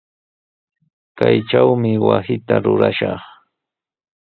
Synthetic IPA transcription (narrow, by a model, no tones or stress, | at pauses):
kajʈ͡ʂawmɪwasɪt̪aɾʊɾaʃɑχ